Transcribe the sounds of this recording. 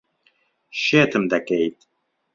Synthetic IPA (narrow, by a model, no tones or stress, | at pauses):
ʃeːt̪ʰɨmd̪ɐkejt̪